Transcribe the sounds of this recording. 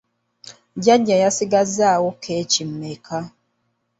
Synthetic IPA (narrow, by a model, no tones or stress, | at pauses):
ɟaɟajasiɡazaːwokʰet͡ʃim̩mekʰa